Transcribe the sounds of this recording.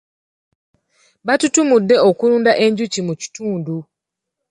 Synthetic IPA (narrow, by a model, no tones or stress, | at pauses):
βatutumudːe̞okuluːndaʔe̞ɲɟucimuci̥tuːndu